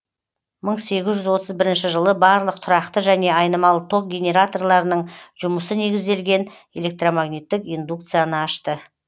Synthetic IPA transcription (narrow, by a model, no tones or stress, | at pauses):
məɴse̞ɡʲɪzʒʏzwo̞t̪ʰəzbɪɾɪnʃɪʒəlˠəbɑɾlˠəq̚t̪ʰʊɾɑqt̪əʒæne̞ɑjnəmɑlˠət̪ʰo̞k̚ɡʲe̞nʲe̞ɾat̪o̞rlˠɑɾənəɴʒ̥ʊməsəne̞ɡʲɪzd̪e̞lɡʲe̞n | e̞le̞k̚t̪romaɡnit̪ːɪkijnd̪uk̚t̪sɨjanəɑʃt̪ə